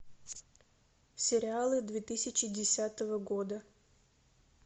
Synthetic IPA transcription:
sʲɪɾʲɪalˠɨd̪vʲet̪ɨsʲɪt͡ɕɪdʲɪsʲat̪əvəɡod̪ə

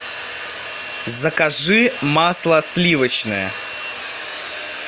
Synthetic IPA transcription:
zəkaʐɨmaslˠɐsʲlʲivət͡ɕnɨjə̰

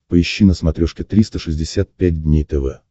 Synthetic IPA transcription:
pəɪɕːinəsmɐt̪ɾʲoʂkʲɪt̪ɾʲist̪əʂɨzʲdʲɪsʲat̪̚pʲæd̚ʲdʲnʲejt̪ɛvɛ̰

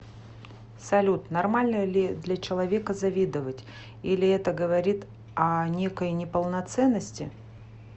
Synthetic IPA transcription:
sɐlʲut̪nɐrmalʲnəlʲɪd̪lʲɐt͡ɕɪlˠɐvʲe̞kəzɐvʲid̪əvətʲ | ilʲɪɛt̪əɡəvɐɾʲit̪ | ɐnʲe̞kəjnʲɪpəlˠnɐt̪sɛnːəsʲtʲɪ

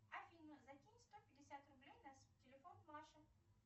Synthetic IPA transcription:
ɐfʲinəzɐkʲinʲst̪opʲɪdʲɪsʲat̪rʊblʲejnastʲɪlʲɪfonmˠaʂə

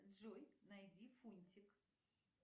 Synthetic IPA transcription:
ʐojnɐjdʲifunʲtʲɪk

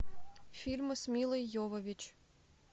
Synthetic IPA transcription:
fʲilʲmsmʲilˠəjːovovʲit͡ɕ

